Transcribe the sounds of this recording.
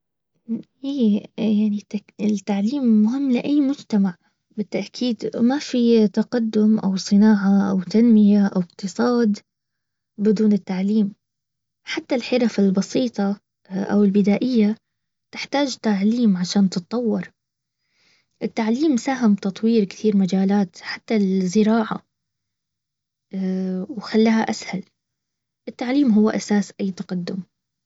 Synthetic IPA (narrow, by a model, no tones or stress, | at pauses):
hiːjaʕniɪt̪ːaʕliːmːʊɦɪmːlɪʔajːmʊd͡ʒt̪amaʕ | bɪt̪ːaʔkʰiːd̪mafit̪aqad̪ːʊmʔa̰wsˤɨnaːʕaʔa̰wt̪anmɪjaʔawɪq̚t̪ɨsˤɑːd̪ | bɪd̪uːnɪt̪ːaʕliːm | ħat̪ːalħɪɾafalbɑsiːt̪ˤɑ | ʔa̰wɪlbɪd̪aːʔɪjːa | t̪ɪħt̪aːd͡ʒt̪aʕliːmʕaʃaːnt̪ɨt̪ˤːɑwːɑɾˤ | ʔɪt̪ːaʕliːmsaːɦɪmt̪ɑt̪ˤwiːɾkt̪iːɾmad͡ʒaːlaːt̪ħat̪ːazɪɾɑːʕa̰ | wxalːaːhaʔashal | ʔɪt̪ːaʕliːmɦʊwːʔasaːsʔajːt̪aqɑd̪ːʊm